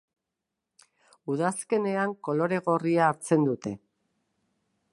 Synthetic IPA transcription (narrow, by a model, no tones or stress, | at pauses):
uðaske̞ne̞aŋko̞lo̞ɾe̞ɣo̞riaːɾt͡se̞nd̪ut̪e̞